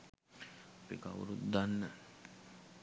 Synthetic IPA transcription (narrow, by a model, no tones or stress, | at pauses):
pḭka̰ṵɾut̪d̪anːə